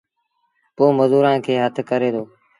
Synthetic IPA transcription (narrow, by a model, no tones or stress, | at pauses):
poːməzuːɾãːkʰeːɦət̪ʰkəɾeːd̪oː